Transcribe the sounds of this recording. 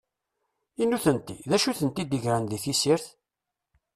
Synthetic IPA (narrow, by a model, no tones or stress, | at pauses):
inːuθənt̪iðæʃuθənt̪id̪iʝɾanðiθisiɾθ